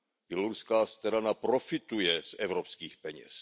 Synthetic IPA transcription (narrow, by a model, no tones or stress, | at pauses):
b̥jɛloɾuskaːst̪ɛɾanapɾo̞fɪt̪ujɛsʔɛvɾopskiːxpɛɲɛ̰s